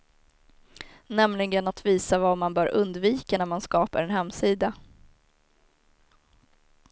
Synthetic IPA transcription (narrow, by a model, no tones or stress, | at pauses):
nɛmlɪɡənat̪viːsavamanbœːɾʔɵnd̪viːkanæɾmanskɑːpa̰ɾɛnhɛmːsiːd̪a